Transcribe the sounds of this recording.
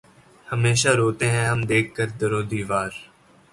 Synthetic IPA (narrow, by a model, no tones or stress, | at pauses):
həmeːʃaːɾoːt̪eːɦɛ̃ːɦəmd̪eːkʰːəɾd̪əɾoːd̪iːʋaːɾ